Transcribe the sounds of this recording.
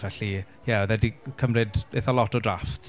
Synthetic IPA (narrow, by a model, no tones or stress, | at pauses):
vɛɬi | jɛðɛdikʰəmrɪdeθɔlɔtʰɔdraft